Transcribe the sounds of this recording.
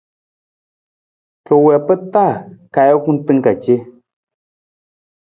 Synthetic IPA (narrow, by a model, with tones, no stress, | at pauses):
kə˨wɛ˨pə˦ta˦˨ka˨jɔ˦ku˦n˦tɨ˦ŋ˦ka˨t͡ʃe˦